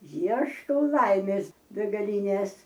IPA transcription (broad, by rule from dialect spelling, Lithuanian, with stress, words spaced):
ˈiɛʃkɐʊ ˈlˠɐɪmʲeːs bʲɛɡɐˈlʲiːnʲeːs